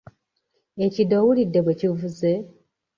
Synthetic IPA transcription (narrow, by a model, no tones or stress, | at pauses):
ecidowulidːeβwe̞civuze